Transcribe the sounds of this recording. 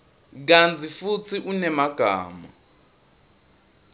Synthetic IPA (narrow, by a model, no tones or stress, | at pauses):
k̬ant͡sʰifut͡sʰiʔunɛmaɡ̥ʱa̰ːma